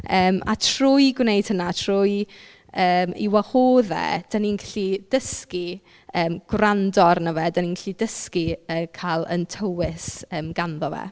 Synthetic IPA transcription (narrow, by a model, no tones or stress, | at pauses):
əːma̰tʰrʊjɡwnejd̥hənatʰr̥ʊj | əːmḭwɛhoːðɛ̰d̥aninɡaɬid̥əski | əːmɡ̥wrandɔrnəvɛdaninɡaɬidəskiəːkʰalˠə̰ntʰəwɪsəːmɡ̥anðɔvɛ̰